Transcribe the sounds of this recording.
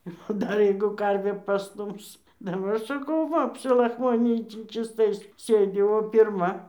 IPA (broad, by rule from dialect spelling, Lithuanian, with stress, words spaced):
ˈɪr oː ˈdɐr ˈjɛɪɡʊ ˈkɐrʲʋʲeː pɐˈstʊms dɐˈbɐr ˈsɑːkɐʊ ˈʋɐ ɐpʲsʲɪlˠɐxˈmoːnʲɪnʲiː tʲiː t͡ʃʲiːsˈtɐɪs ˈsʲeːdʲɪ oː pʲɪrˈmɐ